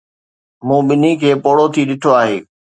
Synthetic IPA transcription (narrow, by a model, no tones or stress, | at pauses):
mũːɓɪnikʰeːpoːɽot̪ʰiɗɪʈʰoaːɦḛː